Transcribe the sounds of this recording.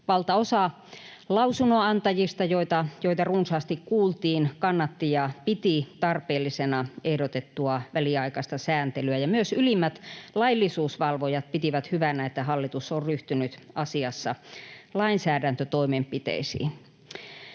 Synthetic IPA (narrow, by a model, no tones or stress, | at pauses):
ʋɑlt̪ɑosɑ | lɑusunoɑnt̪ɑjist̪ɑjoit̪ɑjoit̪ɑrunsɑːst̪ikkuːlt̪iːnkɑnːɑt̪ːijɑpit̪it̪ɑrpeːlːisenɑehdot̪et̪ːuɑʋæliɑikɑst̪ɑsæːnt̪elyæjɑmyøsylimːæt̪lɑilːisuːsʋɑlʋojɑt̪̚pit̪iʋæt̪hyʋænæet̪ːæhɑlːit̪usːorryht̪ynyt̪ɑsiɑsːɑlɑinsæːdænt̪øt̪oimempit̪ḛisḭːn